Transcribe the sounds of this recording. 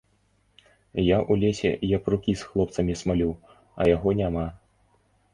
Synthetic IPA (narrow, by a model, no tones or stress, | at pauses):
jaʔulʲɛsʲɛ̰japrukʲisxlˠɔpt̪sɐmʲismalʲuw | ɐ̰jaɣɔnʲama